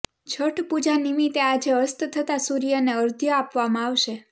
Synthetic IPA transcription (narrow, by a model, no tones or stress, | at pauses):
d͡ʒʰəʈpud͡ʒanimit̪ead͡ʒeəɾst̪t̪ʰət̪asuɾijəneəɾd̪ʱjəapʋamãaʋʃe